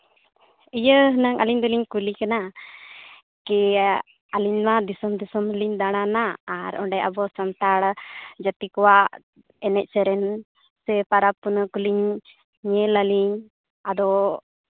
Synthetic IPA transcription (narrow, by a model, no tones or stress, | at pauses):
ijəɦənaŋaliɲd̪ɔliɲkulikana | kɛ | aliɲmad̪isɔmd̪isɔmliɲd̪aɽ̃anaːɾɔɳɖɛʔa̰bɔsɔnt̪aɽd͡ʒat̪ikɔwaʔ | ɛnɛc̚t͡ʃɛɾɛn | sɛpaɾapunəkuliɲ | ɲɛləliɲ | ad̪ɔ